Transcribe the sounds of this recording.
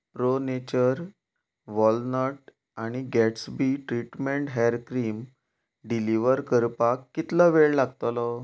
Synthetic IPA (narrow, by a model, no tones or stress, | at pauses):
pɾonet͡ɕəɾ | ʋɔlnɔɾʈ̚ | aɽ̃iɡɛʈsbiʈɾiʈmẽɳʈɦajɾkɾiːm | ɖiliʋəɾkəɾpakːit̪ləʋeɭlaɡ̚t̪əlɔ